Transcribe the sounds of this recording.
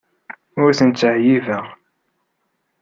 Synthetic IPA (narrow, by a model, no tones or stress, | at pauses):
ʊɾθənt͡sːəʕjivæʁ